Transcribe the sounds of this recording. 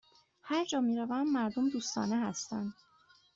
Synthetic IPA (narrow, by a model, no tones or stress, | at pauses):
hæɾd͡ʒɒːmiːɾævæmːæɾd̪omd̪uːst̪ɒ̰ːnehæst̪ænd̪̥